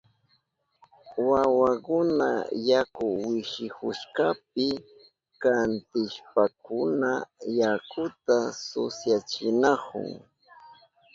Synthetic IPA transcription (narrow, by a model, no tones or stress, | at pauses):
wawakʊna̰jakʊwɪʃɪhʊʃkap̚ɪ | kant̪ɪʃpakʊnajakʊt̪asʊ̰sjat͡ʃɪnakʊ̰ŋ